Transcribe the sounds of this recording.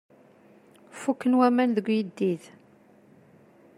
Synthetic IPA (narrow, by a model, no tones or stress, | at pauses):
fukːənwæmænðəɡʷjid̪ːið